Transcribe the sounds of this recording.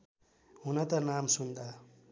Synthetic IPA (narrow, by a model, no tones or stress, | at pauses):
ɦunʌt̪ʌnamsund̪a